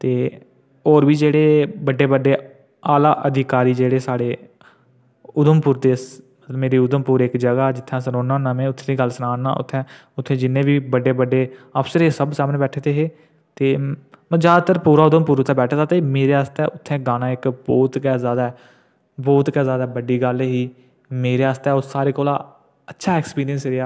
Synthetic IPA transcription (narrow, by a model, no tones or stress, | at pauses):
t̪eː | ɔːɾbiːd͡ʒeːɽeːbəɖːeːbəɖeː | aːlaːʔəd̪ʱɪkaːɾiːd͡ʒeːɽeːsaːɽeː | ʊd̪əmpuːɾd̪eːsmət̪ləbmeːɾiːʊd̪əmpuːɾɪkd͡ʒəɡaːd͡ʒɪt̪ʰːãːsənoːnãːnəmẽːʊt̪ʰːẽːd̪iːɡəlsənaːna̰ːʔʊ̰t̪ʰːɛ̃ːʊt̪ʰːẽːd͡ʒɪnːẽːʋiːbəɖeːbəɖeːəpsəɾeːsəbsaːmnẽːbɛːʈʰeːt̪eːɦeː | t̪eː | md͡ʒaːd̪t̪əɾpuːɾaːʊd̪əmpuːɾʊt̪ʰːɛ̃ːbɛːʈʰat̪aːt̪eːmeːɾeːaːst̪ɛːʊt̪ʰːɛ̃ːɡaːnãːɪkbɔːt̪kɛːzjaːd̪aɛ | bɔːt̪kɛːzjaːd̪aːbəɖiːɡəlɦiː | meːɾeːaːst̪ɛːʊsaːɾeːkoːlaː | ətːʃʰaːɛːkspiːɾijənsɾɪaː